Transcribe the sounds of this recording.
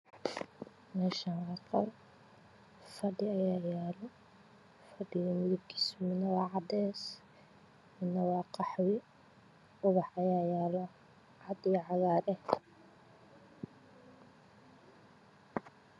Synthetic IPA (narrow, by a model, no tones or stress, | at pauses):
mɛʃɐnʕɑqɐ̰l | fɐɖɪɐjaːjaːlɔ | fɐɖɪɣɐmʊðʊb̚kʰi̥ːsmɪnːɐwɑːʕɑd̪ɛs | mɪnːɐwɑːqɑħwɪ | ʊβɑħɐjaːjaːlɔ | ʕɑd̪ɪʕɑɣaːɾɛ